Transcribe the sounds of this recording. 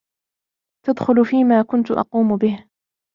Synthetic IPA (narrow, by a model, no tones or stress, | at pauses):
t̪ad̪xʊlʊfiːmaːkʊnt̪ʊʔɑ̰quːmʊbɪh